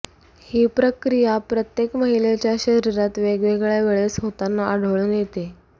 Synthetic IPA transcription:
hiːpɾəkɾijapɾət̪jekməɦilet͡ɕjaɕəɾiɾat̪ʋeɡʋeɡɭjaʋeɭesɦot̪anːaʔəɽ̤əʋɭunjet̪e

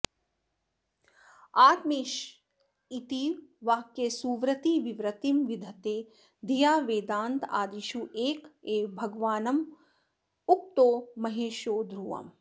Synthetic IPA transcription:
aːt̪meːʃ | it̪iːʋʋaːkːesuːʋɾɐt̪iːʋiʋɾɐt̪imʋid̪ʱɐt̪eː | d̪ʱijaːʋeːd̪aːnt̪a̰ːd̪iʃuʔeːkeːbʱɐɡʋaːnɐm | uk̚t̪oːmɐɦeːʃjoːd̪ɾuʋɐ̰m

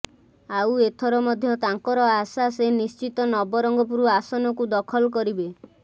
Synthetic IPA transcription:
awet̪ʰɔɾɔmɔd̪ʱjɔt̪aŋkɔɾɔasasenist͡ʃit̪ɔnɔbɔɾɔŋɡɔp̬uɾuasɔnɔkud̪ɔkʰɔlɔk̬ɔɾibe

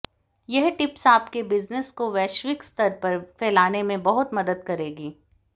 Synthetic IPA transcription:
jɛɦʈɪpsaːp̚kebɪznəskoʋɛːʃʋɪkst̪ɐɾpɐɾfʰɛːlaːnemẽbɐɦʊt̪mɐd̪əd̪̚kɐɾeːɡiː

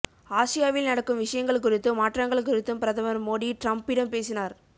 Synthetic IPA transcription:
aːsɪjaːʋɪlnɐɽɐkːɯmʋɪʂɐjɐŋɡɐɭkʊɾɪt̪ːɯmaːʈrɐŋɡɐɭkʊɾɪt̪ːɯmpɪɾɐðɐmɐɾmoːɽiʈɾɐmpɪɽɐmpeːsɪnaːɾ

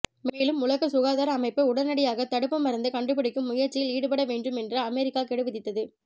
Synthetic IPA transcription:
meːlɯmʊlɐɣɐsʊɣaːðaːɾɐːmɐɪpːɯʊɽɐnɐɽɪjaːɣɐt̪ɐɽɯpːɐmːɐɾɐnd̪ɯkɐɳɖɯpːɪɽɪkːɯmːʊjɐɾt͡ʃːɪjɪliːɽɯpɐɽɐʋeːɳɖrɯmɛndrɐɐmɛɾɪkːaːkɛɽɯʋɪðɪt̪ːɐðɯ

